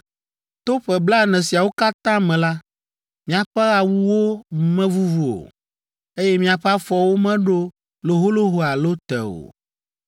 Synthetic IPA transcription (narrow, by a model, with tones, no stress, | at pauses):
t̪o˦ɸɛ˨bla˦˨nɛ̃˨si˨a˨wo˦ka˦t̪ã˦mɛ̃˨la˦ | mĩ˦a˨ɸɛ˦ɣa˦wu˦wo˦mɛ̃˦vu˦vu˨o̰˨ | e˦jɛ˦mĩ˦a˨ɸɛ˦a˦fɔ˨wo˦mɛ̃˦ɖo˦ | lo˨ɦo˦lo˦ɦo˦a˨lo˦t̪ɛ̰˨o̰˨